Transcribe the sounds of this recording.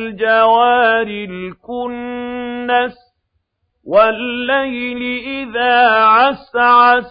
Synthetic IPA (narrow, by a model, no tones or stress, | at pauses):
ld͡ʒawaːɾɪlkʊnː | as | walːajlɪʔɪðaːʕasaʕas